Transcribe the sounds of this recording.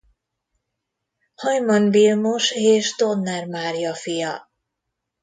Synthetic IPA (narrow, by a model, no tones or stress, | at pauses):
hɒjmɒnvilmoʃeːʒd̪onːɛrmaːɾjɒfijɒ